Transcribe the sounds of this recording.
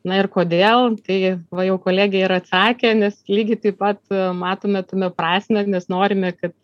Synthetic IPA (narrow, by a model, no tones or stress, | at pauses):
nɐɪrkoːd̪ʲeːlˠt̪ɐɪʋɐjɛʊkoːlʲæːɡʲɪjɪɾɐt̪sɑːkʲeːnʲɛslʲiːɡʲɪt̪ɐɪpɐt̪mɑːt̪oːmʲɛt̪omʲɛpɾɑːsʲmʲɛnʲɛsnoːɾʲɪmʲɛkɐt̪̚